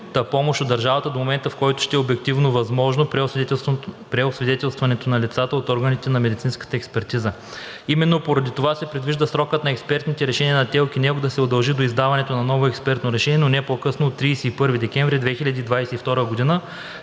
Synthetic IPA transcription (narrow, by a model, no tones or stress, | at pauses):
t̪əpɔmoʃod̪ːɐɾʒavɐt̪əd̪omomɛnt̪əfkɔjt̪ʊ̥ʃt̪ɛɛobɛkt̪ivnovɐzmɔʒnopɾ | pɾɛosvid̪ɛt̪ɛlˠst̪vɐnɛt̪onɐlʲit̪sat̪əot̪ɔɾɡənit̪ɛnɐmɛd̪it̪sinskə̥t̪əɛkspɛɾt̪izə | imɛnːopoɾɐd̪it̪ovasɛpɾid̪viʒd̪əsɾɔkət̪nɐɛkspɛɾt̪nit̪ɛɾɛʃɛniənɐt̪ɛlˠk̟inɛɡod̪ɐsɛod̪ɐlˠʒid̪oizd̪avɐnɛt̪onɐnɔvoɛkspɛɾt̪noɾɛʃɛnʲiɛnonɛpokɤsnoːt̪ːɾijsɛipɤɾvid̪ɛkʲɛɱvɾid̪vɛxilʲɐd̪iːd̪vajsɛift̪ɔɾəɡod̪inə